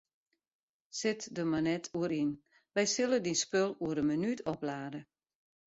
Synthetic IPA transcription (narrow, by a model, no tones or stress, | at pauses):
sɪtdəmanɛtʰuəɾin | ʋɛjsɪlˠəndinspølˠuəɾəmənytʰɔplaːdə